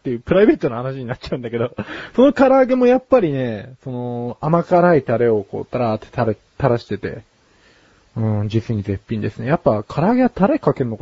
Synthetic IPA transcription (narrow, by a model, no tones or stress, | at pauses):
t̪ːe̞jɯ̟ːpɯ̟ɾaibe̞ːt̪o̞noahanaɕiɲ̟inat͡ɕːaɯ̟̃nd̪ake̞d̪o̞so̞no̞kaɾaːɡe̞mo̞japːaɾʲine̞so̞no̞amakaɾait̪aɾe̞o̞ko̞̰ːt̪aɾat̪e̥t̪aɾe | t̪aɾaɕi̥t̪e̞t̪e̞̰ | ɯ̟̃d͡ʑisɨɲ̟ize̞pʲːĩnd̪e̞sɨne̞japːakʰaɾaːɡe̞βat̪aɾe̞kake̞ɾɯnːok